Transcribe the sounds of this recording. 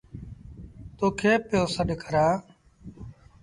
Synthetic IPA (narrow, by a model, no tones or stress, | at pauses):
t̪oːkʰeːpjoːsəɗkʰəɾaː